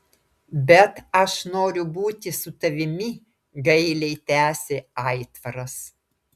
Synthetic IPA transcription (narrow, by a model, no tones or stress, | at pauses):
bʲɛt̪ɐʃnoːɾʲʊbuːt̪ʲɪsʊt̪ɐʋʲɪmʲɪ | ɡɐɪlʲɛɪt̪ʲæːsʲeːɑɪt̪ʋɐɾɐs